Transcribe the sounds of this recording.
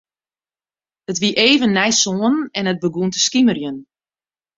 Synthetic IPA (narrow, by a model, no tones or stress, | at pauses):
hətʋiʔeːvənːɛjsoːənɛnət̚bəɡuntəskimərjən